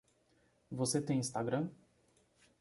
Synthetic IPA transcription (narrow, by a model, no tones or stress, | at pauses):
vɔsɛt̪eĩnst̪aɡɾam